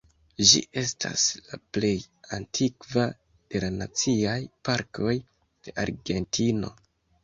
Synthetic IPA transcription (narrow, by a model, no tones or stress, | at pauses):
d͡ʒḭʔe̞stʰa̰slaple̞j | antʰikva | d̥e̞lanat͡siajpaɾko̞j | d̥e̞ʔaɾɡe̞ntʰino̞̰